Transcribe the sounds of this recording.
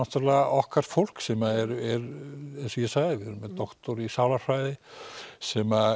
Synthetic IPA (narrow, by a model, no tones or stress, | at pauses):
ɔht̪ʏɾlaʔɔhkaɾ̥t̪fowl̥ksɛmaɛɾɛɾɛnsɔjɛsaːɣðɪvɛɾmɛðt̪ɔht̪ɔɾisaːwlafajðɪsɛma